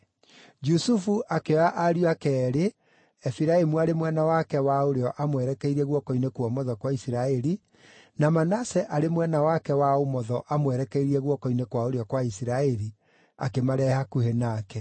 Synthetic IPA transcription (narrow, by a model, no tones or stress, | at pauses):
d͡ʒusufuʔakeaʔaɾiakɛːɾe | ɛfiɾaemuaɾemwɛnawakɛwaoɾeɔʔamwɛɾɛkɛiɾɛɣwɔkɔinekwɔmɔðɔkwaisiɾaɛɾi | namanasɛʔaɾemwɛnawakɛwaomɔðɔʔamwɛɾɛkɛiɾiɛɣwɔkɔinekwaoɾeɔkwaisiɾaɛɾi | a̰kemaɾɛhakuhenaːkɛ